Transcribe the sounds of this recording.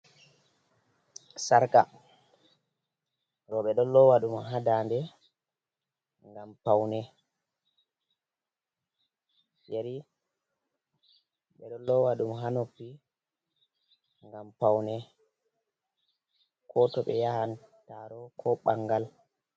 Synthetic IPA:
saɾka | ɾɔɓɛɗɔnlːɔwaɗumɔɦadandɛ | ŋɡampawnɛ | jeɾi | ɓɛɗɔnlːɔwaɗumɔɦanopːi | ŋɡampawnɛ | kʰɔtɔɓɛ̰jahantaɾɔkʰɔɓaŋɡal

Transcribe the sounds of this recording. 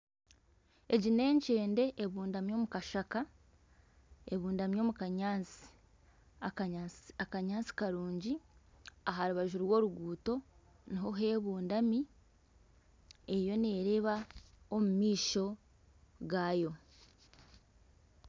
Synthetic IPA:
e̞ɟine̞ːɲt͡ʃe̞ːnde̞ʔːβuːndamjo̞ːmukaʃaka | eβuːndamjo̞mukaɲaːnt͡si̥ | akaɲaːnt͡si̥kaɾuːɲɟi | aɦaɾuβaʒuɾwo̞ːɾuɡuːto̞ | niɦo̞ɦe̞ːβuːndami | e̞jo̞ne̞ːɾe̞βaomumiːʃo̞ | ɡaːjo̞

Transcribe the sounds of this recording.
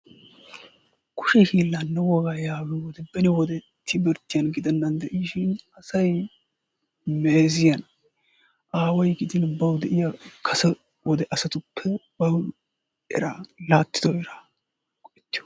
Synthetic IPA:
kʊ̥ʃɛhiːlːɐnːɛwɔɡajaːwɛwɔd̪ɛbɛnɪwɔd̪ɛ | t̪ʰːɪbɛɾt̪ːɪjɐnɡɪd̪ɛnːɐnd̪ɛʔiʃɪnɐsɐj | meːzɪjɐn | ʔaːwɐjɡɪd̪ɪnbɐwd̪ɛʔɪjɐkʰɐsɐ | wʔɔd̪ɛʔɐsɐt̪ʊpʰːɛbɐw | ɛ̰ɾalaːt̪ːɪ̥d̪ɔɛɾa | kʼɔʔɛt̪ːɪjɔ̥

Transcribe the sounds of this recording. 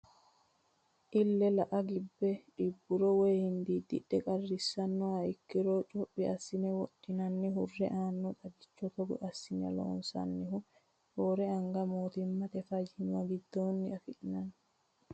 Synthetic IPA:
ʔilːɛlaʔaɡibːɛɗibːuɾɔwejhind̪id̪ḭɗːɛkʼarːisːanːɔaikːiɾɔt͡ʃʼoɓːiasːinɛwoɗːinanːiɦurːɛʔaːnːɔɗaɡit͡ʃːɔt̪ɔɡɔ̰ʔasːinɛ̰lɔ̰nsa̰nːihu | hɔɾɛaŋɡamoːt̪imːat̪ɛfad͡ʒhinwaɡid̪oːnːiafiɗinanː

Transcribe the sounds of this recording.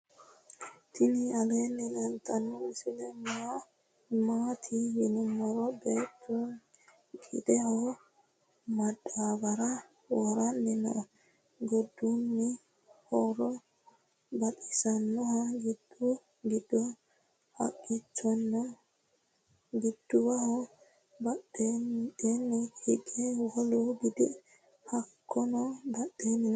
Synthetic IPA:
t̪ʰɪniɐleːnːɛlɐnt̪ʰʼɐnːɔɛsɪd̪ɛma | maːt̪ʰijɪnʊmːɔɾɔbeːt̪ːun | ɡɪd̪ɛhɔ | mɐdaːbɐɾɐ | wɔɾɐnːɪnɔ̰ | ɡɔd̪ːunːɪ | hɔɾɔ | baɗi̥sanːɔhaɡidu | ɡidɔ | ha̰kːit͡ʃːɔnːɔ | ɡidːuwahɔ | baɗɛdɛnːihiɡɛwɔlɔɡid̪ɛ̰ | hakʰːɔnɔbaɗːɛn

